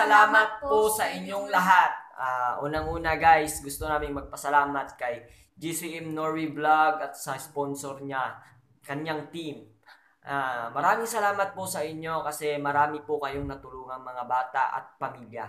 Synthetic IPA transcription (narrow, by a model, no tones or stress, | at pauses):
sɐlaːmɐt̪̚posɐʔɪɲːoŋlɐɦat̪̚aːʔuːnɐŋʔuːnɐɡajsɡʊst̪onaːmɪŋmɐɡ̚pɐsɐlaːmɐt̪̚kɐj | d͡ʒisiʔɛmnoɹwiblaɡɐt̪̚sɐsponsoɾɲa | kɐɲjaŋt̪im | ʔamɐɾaːmɪŋsɐlaːmɐt̪̚posɐʔɪɲːo̞kɐsɛmɐɾaːmɪpʊkɐjoŋnɐt̪ʊluːŋɐŋmɐŋabaːt̪a̰ʔɐ̰t̪̚pɐmiljɐ̰